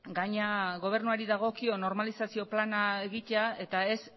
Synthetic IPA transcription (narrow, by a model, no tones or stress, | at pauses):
ɡaɲaɣo̞β̞e̞ɾnuaɾiðaɣ̞o̞kio̞no̞ɾmalisasio̞planaeɣit̪eae̞t̪ae̞s